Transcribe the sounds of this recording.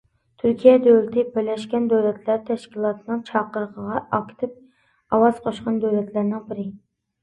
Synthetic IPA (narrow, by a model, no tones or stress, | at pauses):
t̪ʰyɾkʲʰijɛd̪øwɾɪt̪ʰɪbɪlɛʃkʲɛnd̪øwlɛt̪ʰlæɾt̪ʰɛʃkʲilˠɑt̪ʰɨnɨŋt͡ʃʰɑqːəɾəqʰəʁɑʔɑkʲʰt̪ʰɪp̚ | ɑwɑz̥qʰoʃqɑnd̪øwlɛt̪ʰlæɾnɪŋbɪɾɪ